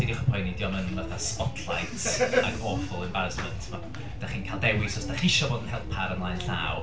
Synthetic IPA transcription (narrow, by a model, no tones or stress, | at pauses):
didiχə̥pʰɔjnɪdjɔnənvaθaspɔtʰlˠa̰jtʰaɡɔfəlˠɪmbaɾəsməntʰma | d̥aχiːnkʰalˠdɛwɪsɔsd̥aχiʃɔboːdənhɛlˠpʰaɾənlˠajnɬa̰w